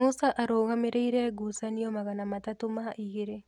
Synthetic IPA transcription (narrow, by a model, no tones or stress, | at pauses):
usaʔaɾoːɣameɾʔeiɾɛɡusaniɔmaɣanamatatomaʔiɣeɾe